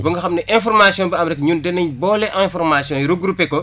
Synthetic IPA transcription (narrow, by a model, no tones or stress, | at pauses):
bɐŋɡɐxɐmnɐʔɛ̃fɔrmasjɔ̃nbɐɐmɾɛkɲuːndɛnɐɲbɔːlɛʔɛ̃fɔrmasjɔ̃jɾuɡɾupːɛkɔ